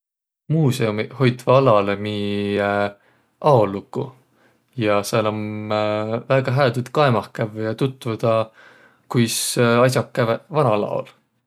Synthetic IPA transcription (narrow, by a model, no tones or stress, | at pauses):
muːseumiho̞jt̪vɑɑlɑlemi | ʔɑolːukːu | jɑselom | væːɡ̥ɑɦæːd̪ut̪kɑemɑhkævjɑt̪ut̪ːˑvud̪̥ɑ | kujsɑjs̬ʲɑkːævevɑnɑlɑ̰o̰l